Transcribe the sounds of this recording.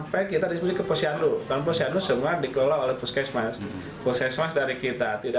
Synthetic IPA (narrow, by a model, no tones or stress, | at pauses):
pajkit̪adisminikəposiandudanposianusəmardikəlolaɦolɛhpuskɛsmas | puskasmasdaɾikit̪at̪ida